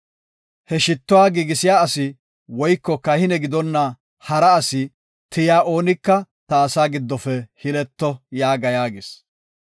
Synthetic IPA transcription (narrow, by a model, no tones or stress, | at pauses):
hɛʃɪt̪ːʊwaːɡiːɡɪsɪjaːɐsɪ | wɔjkːɔkɐhɪnɛɡɪd̪ɔnːɐ | hɐɾɐːsɪ | t̪ɪjaːʔo̞ːnɪkːɐ | t̪ɐːsaːɡɪd̪ːɔfɛhɪlɛt̪ːɔjaːɡɐjaːɡes